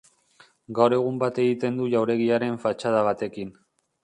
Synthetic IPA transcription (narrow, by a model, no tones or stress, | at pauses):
ɡawɾe̞ɣ̞umbat̪e̞ɣit̪e̞nd̪uʎawɾe̞ɣ̞iaɾe̞ɱfat͡ʃað̞aβ̞at̪e̞kin